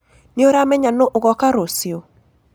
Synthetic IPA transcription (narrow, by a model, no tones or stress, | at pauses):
noɾamɛɲanoʔoɣɔkaɾosio